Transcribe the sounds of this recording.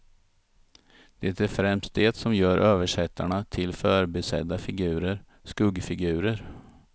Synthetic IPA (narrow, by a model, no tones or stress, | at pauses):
d̪̥ɛt̪æɾfɾɛmst̪̚d̪eːt̪sɔmjœːɾʔøːvəʂɛt̪ʰːaɳat̪ʰɪlfœːɾbɛsɛ̰d̪ːafɪɡʉ̟ːɾəɾ | skɵɡfɪɡʉ̟ːɾəɾ